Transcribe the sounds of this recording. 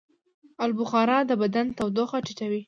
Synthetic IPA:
albʊxɑɾɑd̪əbad̪ant̪awd̪oxaʈiʈawi

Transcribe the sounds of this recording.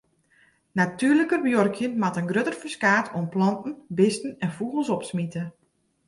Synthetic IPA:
natyːrləkərbjorkʰjənmatənɡrøtərfəskaːtʰomplɔntn̩bɪstn̩ɛnfuɣəl̩ˠsɔpsmitə

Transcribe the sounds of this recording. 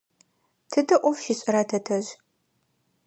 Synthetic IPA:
tʰɨdɐʔʷɔvʃɪɕʼɪɾɐtʰɐtʰɐʑ

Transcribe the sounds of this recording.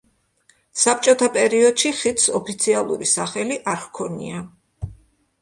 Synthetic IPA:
sap̚t͡ʃʼɔt̪ʰapʼɛɾiɔd̪̥ʃiχit̪ʰsɔpʰit̪sʰialˠṵɾisaχɛliʔaɾχkʰɔnḭa

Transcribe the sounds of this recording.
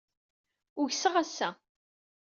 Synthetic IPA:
ʊʝsəʁæsːæ

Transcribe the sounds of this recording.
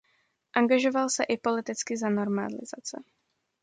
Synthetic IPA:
ʔaŋɡaʒo̞valsɛʔɪpolɪt̪ɪt͡skɪzano̞ɾma̰lɪ̰za̰t͡sɛ̰

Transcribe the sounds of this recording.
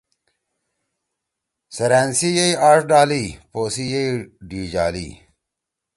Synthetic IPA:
sɐɾaːnsijeiaːʂɖaːlipoːsijejɖiːd͡ʑaːlḭː

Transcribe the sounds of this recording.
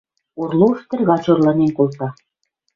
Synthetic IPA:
urlˠuʃt̪ɘ̆rɣɑt͡ɕorlɤ̆nenkolˠt̪ɑ

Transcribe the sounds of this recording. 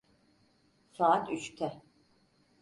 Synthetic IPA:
saːat̪ʰyt͡ʃt̪ʰɛ

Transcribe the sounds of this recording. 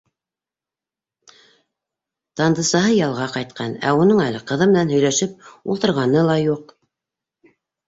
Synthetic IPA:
t̪ɑnd̪ɤ̆sɑɦɤjɑlˠʁɑqɑjt̪̚qʰɑnæ̰unɤɴælɘqɤ̆ðɤmɘ̆nænhɵ̆jlæʃɘp̚ulˠt̪ɤ̆ɾʁɑnɤlˠɑjuq

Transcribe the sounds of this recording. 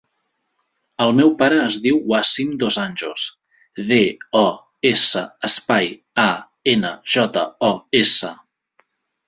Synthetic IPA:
əlˠmɛwpaɾəːzðiwwasimd̪ozanʲʒus | ðeɔ | esəəspaj | a | enəʒɔt̪ə̰ɔesə

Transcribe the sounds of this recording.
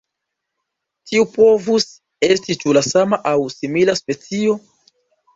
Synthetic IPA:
tʰiupo̞vus | e̞stit͡ʃulasamaʔawsimilaspe̞t͡sio̞

